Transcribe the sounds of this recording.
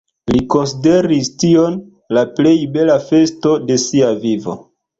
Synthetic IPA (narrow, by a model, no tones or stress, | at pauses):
liko̞ns̬ide̞ɾistion | laple̞jbe̞lafe̞sto̞de̞siavivo̰